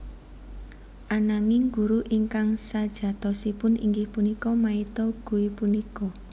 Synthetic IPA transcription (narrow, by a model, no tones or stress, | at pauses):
ʔanaŋɪŋɡuɾuʔiŋkaŋsad̥ʒ̥ä̤t̪ɔsipʊnḭŋɡɪhpunikɔmait̪ɔɡ̥ṳwipunikɔ